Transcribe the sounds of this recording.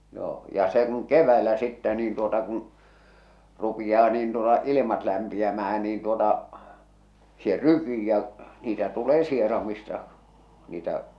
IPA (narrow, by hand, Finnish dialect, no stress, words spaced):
joː jɑ se kun keʋˑæelæ sitːæ niːn tuotɑ kun rupijɑː niːn tuotɑ ilimɑt læmpiæmæhæn niːn tuotɑ se rykiː jɑ niːtæ tuleː sierɑmistɑ niːtæ